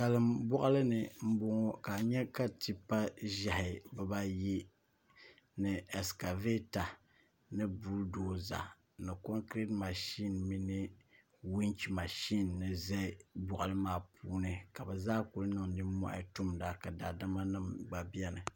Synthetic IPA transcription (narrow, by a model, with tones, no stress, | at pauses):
sa˨lɨ˦mbɔ˦ʔa˦lɨ˦nɨ˨m̩˦bo˦ŋɔ˦ka˨ɲɛ˦ka˦ti˨pːa˦ʒa˨hɪ˨bɨ˦ba˦ji˦ | nɨ˨ɛ˨ska˨ve˦ta˨ | nɨ˦buː˦ldoː˨za̰˨ | nɨ˨ko˦ŋkɾe˦tma˨ʃi˦nmi˦nɨ˦ | wi˦ŋt͡ʃi˨ma˨ʃi˦nːɨ˨zɛ˦ɪ˦bɔ˨ʔa˨lɨ˦maː˦˨pʰuː˦nɨ˨ka˨bɛ˨zaː˦ku˨lnɨ˦˨ŋnɨ˦mɔ̰˦ʔa̰˦tu˦mda˨ka˨da˨da˦ma˦nɨ˦mɡ͡ba˨bi˦ɛ˦nɨ˨